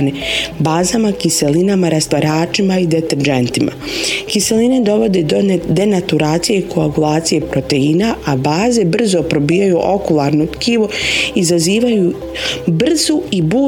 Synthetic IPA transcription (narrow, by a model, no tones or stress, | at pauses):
nibaːzamakise̞linamaɾast̪aɾaːt͡ʃimaid̪et̪eɾd͡ʒent̪imʔa̰ | kise̞line̞d̪o̞ʋo̞d̪e̞dod̪e̞nat̪uɾaːt̪sijeikʰoaɡulˠaːt̪sije̞pɾo̞t̪e̞iːnaabaːze̞br̩zopɾobiːjajuʔo̞kulˠaːɾnot̪kiːʋuizaziːʋaju | br̩zuibuː